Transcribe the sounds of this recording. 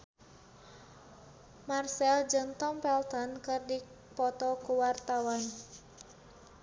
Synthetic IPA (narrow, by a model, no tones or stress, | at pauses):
marsɛld͡ʒənt̪ɔmpɛlt̪ɔnkɨrdi | pɔt̪ɔkuwart̪awan